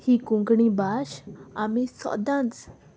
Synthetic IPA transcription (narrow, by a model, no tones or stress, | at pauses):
hikũŋɡɳibaɕamisɔ̰d̪ãnt͡s